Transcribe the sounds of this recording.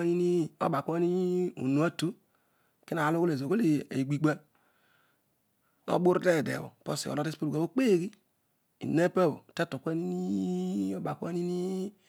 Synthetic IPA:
ni˦ni˦o̰˦ba˨kʷa˦ni˦ṵ˨nu˨˦a˦tu˦ | ki˦na˨lo˦ko˦le˨zo˨ɡo˦le˨e˨ɡ͡bi˨ɡ͡be˦ | no̰˦bu˦ɾde˦˨dḛ˨wo̰˨po̰˦sḭ˨o̰˨ɾo˦de˦spo˦lu˨ɡa˨˦o˦k͡pe˦˨ɡi˦ | ḭ˨ne˦pe˦˨wo̰˨te˦to˨kʷe˦ni˦nii˦i˦o˦ba˨kʷa˦ni˦ni˦

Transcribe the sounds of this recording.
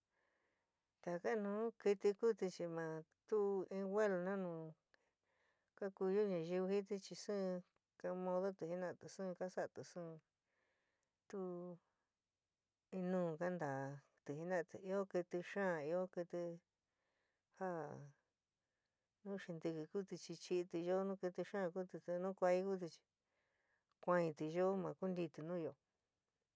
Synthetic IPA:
t̪a˨˧ka˦˧nũː˨˦ki˧t̪i˧ku˦t̪i˧t͡ʃi˧mã˨˧t̪u˦˧ĩ˧wʷe˦lo˧nã˦nũ˨ | ka˦ku˧ju˦ɲã˧ʒi˧βɨ˧hi˦t̪̬i˦t͡ʃi˧sɨ̃˦˧ | ka˧mõ˧ðo˦t̪ɨ˧˨hi˦nã˧t̪ɨ˨sɨ̃ː˦˧ka˦sa˦˧˨t̪ɨ˨sɨ̃˦˧ | t̪u˦˧ | ĩ˧nũː˦˨ka˦nd̪aː˨ | t̪ɨ˧˨ɦi˧nã˦˧t̪ɨ˧i˧o˦kɨ˧t̪i˧ʂãː˦˨i˧o˦kɨ˧t̪ɨ˧ | ha˦ | nũ˦ʃĩ˧nd̪ɨ˧kɨ˧ku˦t̪i˧t͡ʃi˧t͡ʃi˧t̪i˧ʒo˦nũ˦kɨ˧t̪ɨ˧ʃã˦˧ku˦t̪ɨ˧t̪u˧nũ˦kʷa˧˦i˦ku˦t̪̬i˧t͡ʃi̥˧ | kʷã˧ĩ˧t̪i˧ʒo˦mã˧ku˦nd̪i˧t̪ɨ˧nũː˦˧jo˨

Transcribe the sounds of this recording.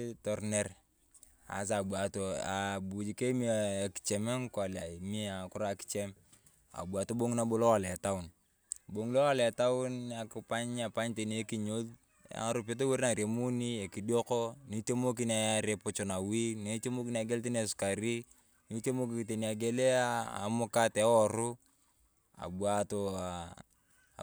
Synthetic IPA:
tɔ˨rne˦r | a̰˨s̬a˨bwa˨to˨a˨bu˨d͡ʒi˨ke˦mi˦˨ki̥˨t͡ʃɛ˨me˦ŋka˨la˨i˨mi˦a˨kʊ˦ɾa˨ki̥˦t͡ʃɛ˦m | a̰˨bwa˨to˦bo˦ŋna˦bo˦lo˦wa˨la˨ta˦ʊ˨n | bo˨ŋ˦lo˦wa˦˨la˨ta˦ʊ˦na˨ki˨pa˦ɲa˨pa˦ɲte˨n˦e˦ki˨ɲo˦l̰ | ɾʊ˨p̬e˦t̬o˦we˦ɾna˨ɾe˨mu˦ni˦e˨ki˨di˦o˦kɔ˦ni˦te˦mo˦k̬i˦na˨ja˦ɾe˨pʊ˨t͡ʃɔ˨na˨wi˦ne˦te˦mo˦ki˦n˦a˨˦ɡe˦lti˦ne˨sʊ̥˨ka˨ɾi˦ | ni˨te˦mo˦k̬i˨kte˨ni˨a˨ɡe˦le˦a˦a̰˨mʊ˦ka˦tɛ˨˦ɔ˦˨ɾʊ˦ | a̰˨bu˨a˨to˦a˨

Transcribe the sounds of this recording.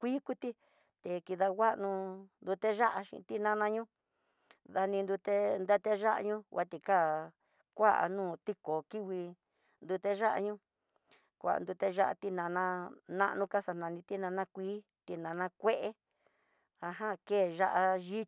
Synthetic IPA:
kʷiː˦ku˦t̪i˦ | t̪e˨ki˧ða˧wa˦ʔnũ˧nd̪u˧t̪e˦ʒa˦ʔa˧ʃḭ̃˧t̪i˦nã˦nã˧ɲũ˦ | ða˧nĩ˧nd̪u˧t̪e˦nd̪e˦t̪e˦ʒa˦ʔa̰˧ɲũ˦wa˧t̪i˧ka˦˨ | kʷa˦ʔa̰˧nũː˦˨t̪i˦ko˨ki˦wi˧ | nd̪u˧t̪e˦ʒa˦ʔa̰˧ɲũ˦ | kʷa̰˨ʔa̰˨nd̪u˧t̪e˦ʒa˦ʔa̰˧t̪i˦nã˧nã˦nã̰˦ʔnũ˧ka˦sa˧nã˧nĩ˧t̪i˦nã˧nã˦kʷiː˦ | t̪i˧nã˨nã˧kʷe˦ʔe˦ | a˧ɦã˦keː˦˨ʒa˦ʔa˧ʒi˦

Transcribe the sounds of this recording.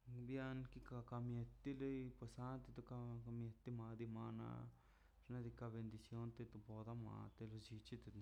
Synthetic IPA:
bja˧nki˦ka˧ka˧mje˧t̪ːi˦le˦jpe˧sa˦t̪e˧t̪o˧ka˧ka˧mje˧t̪ːi˧ma˧d̪i˧ma˧na̰˧ | ɾna˧d̪i˧ka˧be˧nd̪i˧sjo˧˦nt̪e˧t̪o˧po˧d̪a˧ma̰˧t̪e˧lo˧d͡ʒi˧t͡ʃi˦t̪e˧

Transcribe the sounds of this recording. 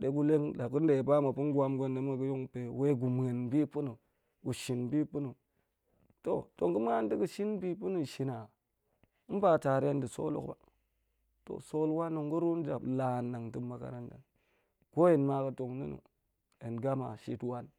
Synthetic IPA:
ɗe˦ɡu˦le˦ŋla˨ku˦n˦de˨ba˦ma˨pu˦nɡʷa˦mɡo˦nde˦ma˨ɡu˦jo˦ŋpe˨we˦ɡu˨m˨ŋe˨nbi˦pu˦nu˨ | ɡu˨ʃi˨nbi˦pu˦nu˨ | to˨to˨ŋku˦m˦a˦nti˦ku˨ʃi˦nbi˦pu˦nu˨ʃi˨na˨˦ | m˦pa˨ta˨ɾe˦ndi˨so̰˦lṵ˦kba̰˨ | to̰˨so˦lwa˦nːu˨ŋ˦ɡu˦ɾu˦nd͡ʒa̰˨bla˨nːa˨ŋti˦ma˨ka̰˨ɾa˦nda̰˨n | ko˦je˨nma˦kə˦to˨ŋnḭ˦nṵ˨ | e˨nɡa˦ma̰˨ʃi˦twa˦n

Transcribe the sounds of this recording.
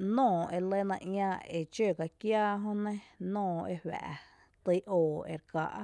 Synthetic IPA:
nɔ̃ː˦˨ʔe˧˨le˦nã˧ʔjãː˧e˨t͡ʃeː˦˨ka˧kjaː˦ɦõ˦nẽ˦nɔ̃ː˦˧˨ḛ˧hwæ̰˨ʔ | t̪ɨ˧˦ʔoː˨ḛ˨ɾka˧ʔ

